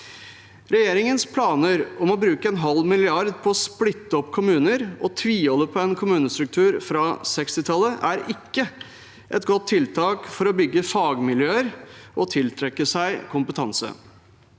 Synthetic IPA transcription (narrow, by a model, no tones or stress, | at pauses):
ɾɛjeːɾɪŋənspʰlɑːnəɾɔmɔbɾʉːkəɛnɦɑlːmɪlɪɑɾd̪pʰɔːsplɪt̪ːəɔpːkʰʊmʉːnəɾɔt̪ʰʋiːɔlːəpʰɔɛnkʰʊmʉːnəst̪ɾʉk̚t̪ʰʉːɾfɾɑsɛkst̪ɪt̪ʰɑlːəʔæɾɪkːə | ʔɛt̪ɡɔt̪ʰːɪlt̪ʰɑːkfɔɾɔbʏɡːəfɑːɡmɪljøːəɾʔɔt̪ʰɪlt̪ʰɾɛkːəsæɪkʰʊmpət̪ʰɑnsə̰